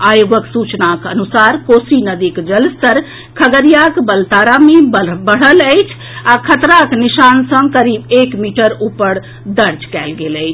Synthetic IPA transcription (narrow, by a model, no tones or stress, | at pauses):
ajuɡəksut͡ʃnakənusaɾkosinəd̪ikd͡ʒəlst̪əɾ | kʰəɡəɾijakbəlt̪aɾamebbəɽ̤ələjt͡ʃʰ | akʰət̪ɾaknisansə̃ŋɡkəɾibekmiʈəɾupəɾ | d̪əɾd͡ʒkɛlɡeləɪt͡ʃʰ